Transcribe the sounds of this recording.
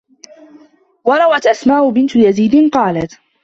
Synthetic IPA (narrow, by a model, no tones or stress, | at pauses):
wɑɾˤɑwat̪ʔasmaːʔʊbɪnt̪ʊjaziːd̪ɪnqɑːlat̪